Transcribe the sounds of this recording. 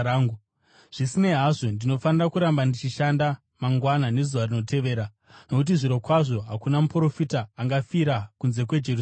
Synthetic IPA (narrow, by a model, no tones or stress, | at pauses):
aːŋɡu | ʐ̥isine̞ɦaʐo̞ndino̞fanirakuɾambandit͡ʃiʃanda | maŋɡwanane̞zuʋarino̞te̞ʋe̞ːɾa | no̞kut̬iʐiɾo̞kwaʐo̞ɦakunamupro̞fitaːŋɡafiɾakunze̞k̬we̞d͡ʒer